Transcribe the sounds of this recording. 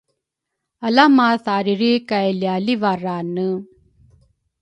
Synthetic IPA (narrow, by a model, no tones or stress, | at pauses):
ɐlamaːsaːɾiɾikɐjɐljaːliʋaraːnːɯ